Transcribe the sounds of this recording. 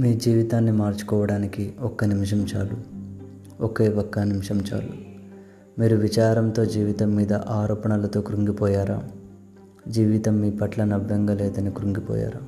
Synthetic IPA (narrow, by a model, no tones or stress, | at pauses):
miːd͡ʒiːʋit̪aːnːimaːɾt͡ʃu̥kɔːʋɐɽaːnikiɔkːɐnimʂ̬ɐmt͡ʃaːlu | ɔke̞ːɔkːɐnimʂɐmt͡ʃa̰ːlu | miːɾuʋit͡ʃaːɾɐnt̪o̞ːd͡ʒiːʋit̪ɐmːiːd̪ɐ̰ʔaːɾɔːpɐnɐlɐt̪o̞ːkuɾuŋɡipɔːjaːɾaː | d͡ʒiːʋit̪ɐmːiːpɐʈlɐnɐʋːɛŋɡaːlɛːd̪ɐnikɾuŋɡipɔ̰ːja̰ːɾa̰ː